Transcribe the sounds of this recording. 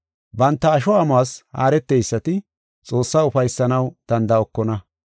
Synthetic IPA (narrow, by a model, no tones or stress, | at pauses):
bɐnt̪ːɐːʃɔamaːsha̰ːɾɛt̪ːejsːɐt̪ɪ | t͡sʼo̞ːsːaːʊfɐjsːɐnɐwd̪̥ɐnd̪ɐɔkːɔnɐ